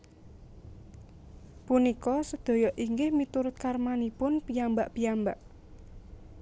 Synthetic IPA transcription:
punikɔsəd̪̥o̤jɔʔiŋɡɪhmit̪uɾʊt̪̚karmanipʊnpiambaʔpijambaʔ

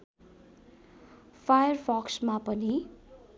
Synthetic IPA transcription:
fʰajʌrfʰɔksmapʌni

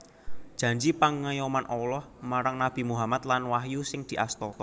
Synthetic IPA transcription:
d̥ʒ̥ä̤ɲd͡ʒipaŋːajɔmanʔɔlɔhmaɾaŋnab̥i̤muɦamat̪lanwahjusɪŋd̪̥i̤ʔast̪ɔt̪ɔ

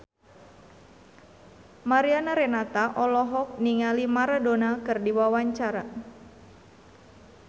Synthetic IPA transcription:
maɾianaɾenat̪aʔɔlɔɦɔk̚niŋalimaɾadonakɨrdiwawaɲt͡ʃaɾa

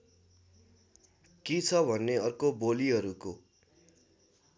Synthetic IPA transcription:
kit͡sʰʌbʱʌnːeʌrkoboliɦʌɾuko

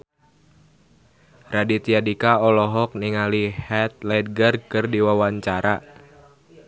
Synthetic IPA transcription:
radit̪iadikaɔlɔɦɔk̚niŋalihɛt̪̚lɛd̪̚ɡərkɨrdiwawaɲt͡ʃaɾa

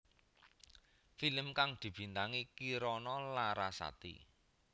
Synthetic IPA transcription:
filəmkaŋd̪̥i̤b̥i̤nt̪aŋikiɾɔnɔlaɾasa̰t̪ḭ

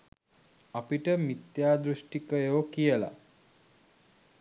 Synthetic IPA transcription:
apiʈəmit̪jaːd̪ɾuʃʈikəjoːkijəla̰

